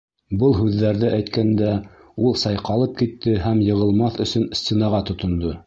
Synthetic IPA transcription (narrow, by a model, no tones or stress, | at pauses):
bɤlˠɦʉðːæɾðɘʔæjt̪kænd̪æ | ulˠsɑjqɑlˠɤp̚kit̪ːɘhæmjɤ̆ʁɤ̆lˠmɑθɵ̆sɵnsʲt̪ʲenɑʁɑt̪ŏt̪ŏnd̪ɤ